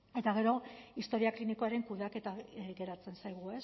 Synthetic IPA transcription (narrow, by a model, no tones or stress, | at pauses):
e̞t̪aɣe̞ɾo̞ist̪o̞ɾiakliniko̞aɾe̞ŋkuðake̞t̪aɡe̞ɾat͡se̞nsajɣ̞ue̞s